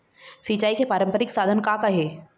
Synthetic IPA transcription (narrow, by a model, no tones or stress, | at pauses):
sit͡ʃaːikepaːɾə̃mpəɾɪksaːd̪ʱənkakaɦeː